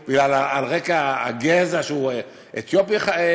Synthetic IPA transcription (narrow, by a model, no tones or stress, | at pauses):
b̥iɡlalaalʁekaa̰ːɡezaʃeue | et̪jopjaχae